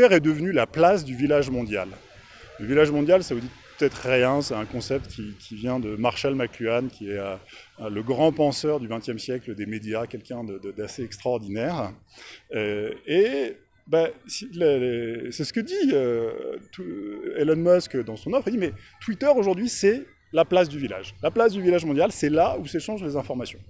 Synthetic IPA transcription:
ɛʁɛd̪əvnylaplasd̪yvilaʒmɔ̃d̪ja̰l | ləvilaʒmɔ̃d̪jalsavud̪itpət̪ɛt̪χːjɛ̃sɛɛ̃kɔ̃sɛp̚t̪kʲikʲʰivjɛ̃d̪əmaʁʃalmaklyankʲiɛø | ləɡʁɑ̃pɑ̃sœʁd̪yvɛ̃t̪jɛmsjɛkləd̪emed̪jakʲɛlkʲɛ̃d̪əd̪əd̪aseɛkst̪χaɔʁd̪inɛʁ | øe | basiləlsɛsə̥kəd̪iøt̪uelɛnmɔskd̪ɑ̃sɔ̃nɔfχəd̪imɛt̪wit̪œʁoʒuʁd̪ɥisɛ | laplas̬d̪yvila̰ʒlaplasd̪yvilaʒmɔ̃d̪jalsɛlausɛʃɑ̃ʒlezɛ̃fɔʁmasjɔ̃

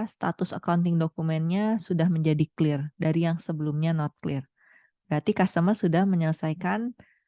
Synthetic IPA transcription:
st̪a̰t̪ʊsa̰kaunt̪ɪŋdokumɛnɲasudahməɲd͡ʒadiklɪrdaɾijaŋsəbəlʊmɲanɔt̪̚klɪr | bəɾat̪ikast̪əmərsudahməɲələsajkan

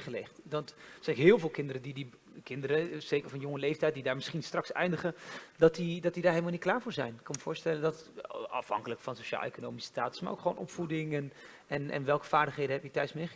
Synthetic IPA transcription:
χəlɛχtdɑntsɛnkɦɪːlˠvɪːlˠkɪndəɾədidi | kɪndəɾəz̥ejkəɹvɑnjɔŋəlejftɛjt̚didaːɹmɪsχinstrɑksɛ̰jndəχədɑtidɑt̚didaːɹɦeləmalˠnit̚klaːɹvʊːɹzɛ̰jnɪkːɑnməvʊːɹstɛləndɑtɑ̰fɦɑ̰ŋkələkfɑnsoʃa̰ːlˠḛjkonowmisə̥staːtə̥sma̰ɹo̰wkχʋownʔɔpfudɪŋɛn | ɛnɛ̰nʋɛlˠkə̥v̥aːɹdəχɦejdənɦɛpjitœɥsmejχə

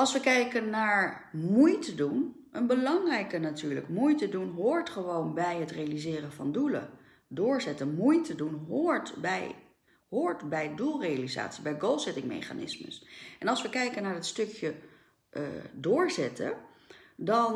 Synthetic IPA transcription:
ɑlˠsʋəkɛjkənːaːɹ | mujtədun | ʔənbəlɑŋrɛjkənatyːɹlə̰kmujtədunɦʊːɹtχəʋownbɛjɦətrejalizɪːrənvɑ̰ndulə̰ | dʊːɹzɛtənmujtədunɦʊːɹtbɛ̰j | ɦʊːɹtbɛjdulˠrejaliza̰ːtsibɛjɡolˠsɛtɪŋmḛjχa̰nɪ̰smə̰sʔɛnɑlˠsʋəkɛjkənaːɹətstɵkjə̰ | dʊːɹzɛtə̰ | dɑn

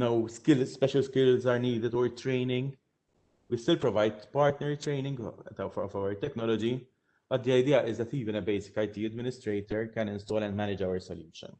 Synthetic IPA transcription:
nowskɪlspɛʃɐlskɪlzaːɾniːd̪ɪd̪ɔɹt̪ɾejnɪ̃ŋɡ | wist̪ɪlpɾɔvɐjd̪pɐɾt̪nɛɾt̪ɾeɪnɪ̃ŋɡt̪ɐwfɔ̰fɐwəɾt̪ɛknɔlɔd͡ʒi | b̥ɐt̪̚d̪iɐjd̪iːɐʔɪzd̪ɛt̪iːvɪnɛbejsɪ̥kɐjt̪iːɐd̪mɪnɪst̪ɾejt̪ɔɹkɛ̃nɪ̃nst̪ɔːlɛ̃nd̪mɛnɪd͡ʒɐwəɾsɔljuːʃə̰̃n

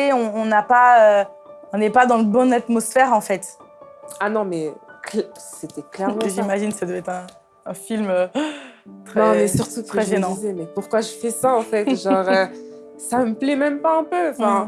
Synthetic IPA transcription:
eɔ̃ːnapaøɔ̃nɛpad̪ɑ̃ləbɔ̃nat̪mɔsfɛʁɑ̃fɛt̪ | anɔ̃mɛklɛset̪ɛklɛʁmʒimaʒinsad̪əvɛt̪χɛ̃ː | filmø | t̪χnɛnɔ̃mɛsyʁt̪ut̪χɛʒenɑ̃zɛmɛpuʁkwaʒəfɛsaɑ̃fɛt̪ʒɑ̃ʁøsaməplɛmɛmpaɛ̃pøɑ̃fɛ̃

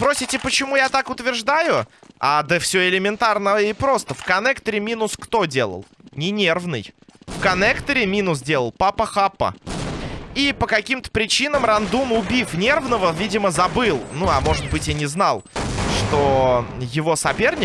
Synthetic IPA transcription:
spɾosʲɪtʲɪpət͡ɕɪmujat̪akʊt̪vʲɪrʐd̪ajʊad̪əfsʲoɪlʲɪmʲɪnt̪arnəɪpɾo̞st̪əfkɐnɛkt̪əɾʲɪmʲinʊskt̪o̞dʲe̞lˠə̰lˠnʲɪnʲervnɨjfkɐnɛkt̪əɾʲɪmʲinʊsdʲelˠəlˠpapəxapːə̰ | ipəkɐkʲimt̪ə̥pɾʲɪt͡ɕinəmrɐnd̪umʊbʲifnʲe̞rvnəvəvʲidʲɪməzɐbɨlˠnuɐmo̞ʐɨt̪̚bɨtʲjanʲɪznalˠʂt̪ojɪvo̞sɐpʲe̞rnʲɪ

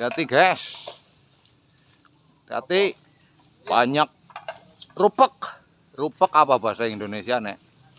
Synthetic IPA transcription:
iat̪iɡɛs | t̪ia̰t̪i | paɲak̚ | rupək̚ | rupəkapab̥a̤saiŋind̪onesianeʔ

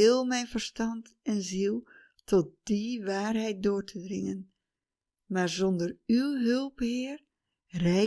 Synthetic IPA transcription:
ɪlˠmɛjnvərstɑntɛnzilˠ | tɔt̚d̥iʋaːrɦɛjt̚doːrtʰədrɪŋən | maːɹzɔndərywɦɵlˠphɪːr | rɛ

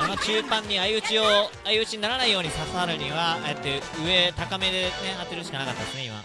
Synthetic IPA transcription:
ono̞t͡ɕɨːpãɲ̟ːiaiɯ̟t͡ɕio | aiɯ̟t͡ɕiɲ̟inaɾanaijo̞ːɲ̟isasaɾɯ̟ɲ̟iβaet̪ːe̞ɯ̟e̞t̪akame̞d̪e̞ne̞ɦat̪ːe̞ɾɯ̟ɕi̥kanakat̪ːad̪e̞sɨneima̰

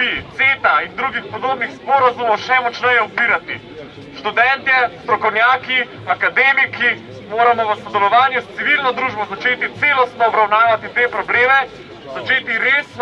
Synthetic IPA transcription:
it̪seːt̪aind̪ɾuɡixpɔd̪oːbnixspɔɾazumɔwʃɛmɔt͡ʃnɛjɛupiːɾat̪i | ʃt̪ud̪ɛnt̪ɛst̪ɾɔkɔwnjaːki | akad̪eːmiki | moːɾamɔʋəsɔd̪ɛlɔʋaːnjust̪siʋilnɔd̪ɾuːʒbɔzat͡ʃeːt̪it̪seːlɔst̪nɔːbɾawnaːʋat̪it̪eːpɾɔbleːmɛ | zat͡ʃeːt̪iɾeːsn

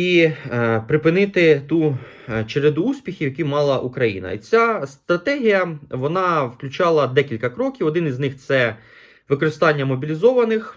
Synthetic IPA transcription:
i | pɾɪpɪnɪt̪ɪt̪u | t͡ʃeɾed̪uusʲpʲixʲiwjɐkʲimɑlˠɐʔukɾɐjḭnɐ̰ḭt͡sʲast̪ɾɐt̪ɛɦʲijɐʋɔnɑwklʲʊt͡ʃɑlˠɐd̪ɛkʲilʲkɐkɾɔkʲiʋwɔd̪ɪniznɪxt̪sɛ | ʋɪkɔɾɪst̪ɑnʲːɐmɔbʲilʲizɔʋɐnɪx

